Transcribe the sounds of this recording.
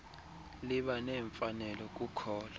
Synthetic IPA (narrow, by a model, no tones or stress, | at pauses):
liɓanɛːɱfanɛlɔk̬ʼukʰɔːla